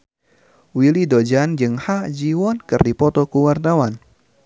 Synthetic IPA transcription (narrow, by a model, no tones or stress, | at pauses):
wilidod͡ʒand͡ʒɨŋhad͡ʒiwɔnkɨrdipɔt̪ɔkuwartawan